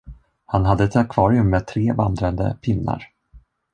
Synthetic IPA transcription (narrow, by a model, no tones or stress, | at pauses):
hanɦad̪ːəɛt̪akʰv̥ɑːɾɪɵmːeːd̪̚t̪ʰɾeːvand̪ɾand̪ə̰pʰɪnːa̰ɾ